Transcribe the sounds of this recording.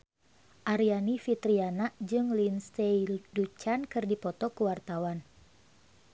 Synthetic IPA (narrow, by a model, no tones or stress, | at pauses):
ʔaɾianifit̪ɾianaʔd͡ʒɨŋlinst̪ejdut͡ʃankɨrdipɔt̪ɔkəwart̪awan